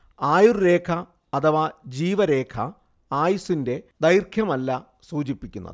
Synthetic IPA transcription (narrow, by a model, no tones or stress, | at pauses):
aːjurɾe̞ːkʰɐ | ɐt̪ʰɐʋad͡ʑiːʋɐɾe̞ːkʰɐ | aːjusinde̞d̪ɐjrkʰjɐmɐlːɐ | suːt͡ɕipːikʲːunːɐ̰ðɨ